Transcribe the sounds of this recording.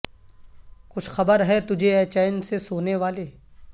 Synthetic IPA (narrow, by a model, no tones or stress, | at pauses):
kʊt͡ʃʰxɐbəɾɦɛt̪ʊd͡ʒʱeɛːt͡ʃaːɪnsesoːneʋaːleː